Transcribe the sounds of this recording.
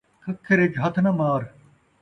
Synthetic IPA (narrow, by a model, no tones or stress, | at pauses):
kʰɐkʰːeɾed͡ʒɦɐt̪ʰnɐmaːɾ